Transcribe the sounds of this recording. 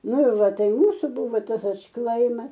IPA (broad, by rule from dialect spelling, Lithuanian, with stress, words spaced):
ˈnʊ ɪr ˈʋɐ ˈtɐɪ ˈmuːsʊ ˈbʊʋoː ˈtɐs ɐtʃˈklˠɐɪmɐs